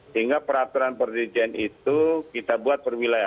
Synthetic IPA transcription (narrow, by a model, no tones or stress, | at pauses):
səiŋɡapəɾap̚t̪uɾanpərd̪id͡ʒianit̪ukit̪abuat̪̚bərwilaja